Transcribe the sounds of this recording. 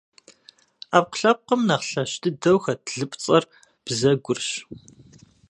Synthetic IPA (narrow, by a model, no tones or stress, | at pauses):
aːp̚qɬɐp̚qəmnɐχɬɐɕtʰɨdɐwxɐtʰɮɨpʼt͡sʼɐr | b̥zɐɡʷʊrɕ